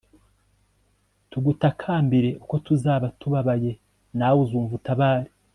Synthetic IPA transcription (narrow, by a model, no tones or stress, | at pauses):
tuɡutakʰaːmbiɾe̞ʔuko̞tuzaːβatuβaβaje̞ | naːwuzuːɱvutaβaːɾi̥